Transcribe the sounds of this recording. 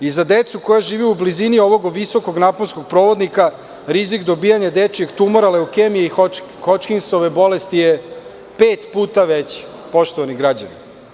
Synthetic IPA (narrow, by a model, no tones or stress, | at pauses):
izad̪et̪sukojaʒiːʋiublizinio̞ʋo̞ɡoʋiso̞ko̞ɡnaponsko̞ɡ̚pɾo̞ʋo̞d̪nika | ɾizikd̪o̞biːjaɲad̪et͡ʃje̞ɡt̪umoɾaleokemijei | xot͡ʃkinsoʋebo̞lest̪ije | peːt̪puːt̪aʋet͡ɕ | po̞ʃt̪oʋaniɡɾad͡ʑa̰ni